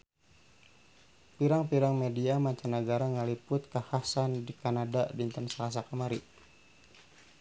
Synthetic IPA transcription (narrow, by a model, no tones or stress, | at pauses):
piɾaŋpiɾaŋmediamaɲt͡ʃanəɡaɾaŋəlipʊt̪̚kəhasandikanadadint̪ənsalas̬akamaɾi